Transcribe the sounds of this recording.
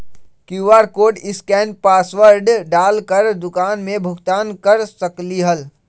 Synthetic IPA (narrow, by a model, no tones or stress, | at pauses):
kuʋaːɾkoːɖɪskɛːnpaːsʋəɾɖɖaːlkəɾd̪ʊkaːnmẽbʱʊkt̪aːnkəɾsəkliɦəl